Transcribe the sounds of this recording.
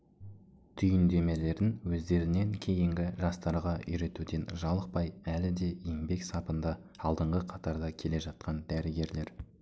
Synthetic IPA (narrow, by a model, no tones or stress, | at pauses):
t̪ʰʏjɪnd̪e̞me̞le̞ɾɪnwɵzd̪e̞ɾɪne̞ŋkʲʰe̞jɪŋɡʲɪʒɑst̪ɑɾʁɑʔʏ̰jɾe̞t̪ud̪e̞nʒɑlˠəq̚pɑjælɪd̪e̞eŋbe̞ksɑpənd̪ɑ | ɑlˠd̪əɴʁəqʰɑt̪ɑɾd̪ɑkʲʰe̞le̞ʒɑt̪̚qɑnd̪æɾɪɡʲe̞ɾle̞ɾ